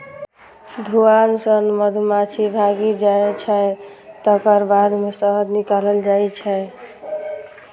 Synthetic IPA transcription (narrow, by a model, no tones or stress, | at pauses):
d̪ʱuansənməd̪ʱmat͡ʃʰibʱaɡid͡ʒaɛt͡ʃʰɛt̪əkəɾbad̪mesəɦəd̪nikaləld͡ʒat͡ʃʰɛ